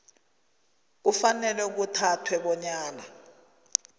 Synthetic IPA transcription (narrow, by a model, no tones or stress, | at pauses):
k̬ufanɛlɛuk̬utʰatʰwɛɓɔɲaːla